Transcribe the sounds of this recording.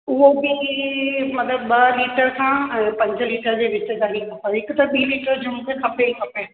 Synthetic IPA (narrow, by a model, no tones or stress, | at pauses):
ʊɦobi | mɐt̪ləbɓɐliːʈəɾkʰãːpɐ̃ɲd͡ʑəliːʈəɾd͡ʑeːʋɪt͡ɕə̆ɡaːlikʰɐpʰãɦɪkʊt̪ɐɓiːliːʈəɾd͡ʑʊmɡekʰɐpeikʰɐpe